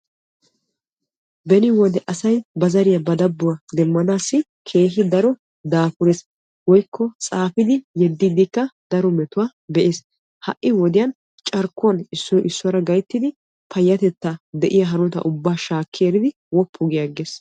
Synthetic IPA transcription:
bɛnɪwɔd̪ɛʔɐsɐjbɐzɐɾɪjɐbɐd̪ɐbːʊwɐd̪ɛmːɐnaːsːɪ | kʰe̞ːɦɪd̪ɐɾɔ | d̪aːfʊɾeːs | wɔjkːɔt͡sʼaːfɪd̪ɪjɛd̪ːiːd̪ɪkːɐd̪ɐɾɔmɛt̪ʊwaː | bɛʔeːs | hɐ̰ʔːɪwɔd̪ɪjɐn | t͡ʃʼɐɾkːʊɐnɪsːɔʔɪsːɔɐɾɐɡɐjt̪ːɪd̪ɪ | pʰɐjːɐt̪ɛt̪ːɐd̪ɛʔɪjɐɦɐnɔt̪ɐ̰ʔʊbːaːʃaːkːɪeːɾɪd̪ɪ | wɔpʰːʊɡɪjɐɡeːs

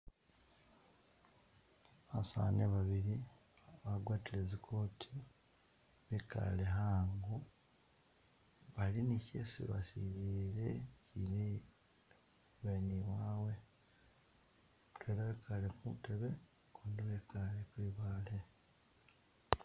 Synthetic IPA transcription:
βasa̰neβaβiɾi | βaɡwaːtile̞zikʰo̞ːtʰi | βeka̰leɦaːŋɡu | βalinicḛsḭβa̰siβiɾecini | βeniwaːwe̞ | tweːɾaβekʰalekuteβe̞ | kuːndiβekʰalekwiːβaːle

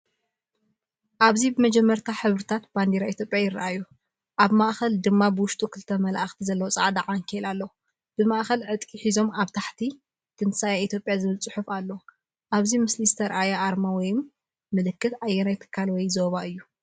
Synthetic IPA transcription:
ʔaβzibɨmɐd͡ʒɛmːɐɾt̪ʰaħɨβɾɨt̪ʰat̪̚b̥and̪eɾait̪ʰjo̞pʼjajɪrːa̰ʔaju | ʔaβmaʔxɐld̪ɨmːabɨwʊʃt̪ʼukʰɨlt̪ʰɐmɐlaʔxt̪ʰizɐlːɐwot͡sʼaʕd̪aʕaŋkʰelalːɐw | b̥ɨmaʔxɐlʕɨt̪ʼkʼiħizo̞maβt̪ʰaħt̪ʰi | t̪ʰɨnsajait̪ʰjo̞pʼjazɨβɨlt͡sʼɨħufalːɐw | ʔaβzimɨslizɨt̪ʰɐɾʔajaʔaɾmawɔjmː | ɨlɨkːɨt̪ʔajːɛnajt̪ʰɨ̥kʰːalwɔjzoβaʔɨjːu

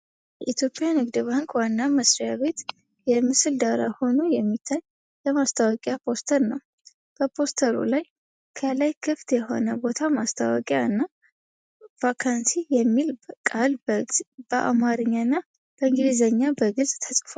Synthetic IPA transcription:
jɛʔit̪ʰjo̞pʼːjanɨɡd̪ɨbaŋkwanːaməsɾijaβe̞t̪ | jɛmɨsɨld̪aɾaho̞nojɛmːit̪ʰːaɲ | jɛmast̪ʰawɔkʼjapʰo̞st̪ʰəɾnəw | b̥əpʰo̞st̪ʰəɾṵlaj | kʰəlajkʰɨft̪jɛho̞̰nəbo̞t̪ʰamast̪ʰawɔ̰kʼjaɨnːa | vakʰansijɛmːilbəkʼalbb̥əʔa̰maɾɨɲːaɨnːa | b̥əɨŋɡɨdizəɲːabəɡɨlsʼt̪ʰəsʼfal

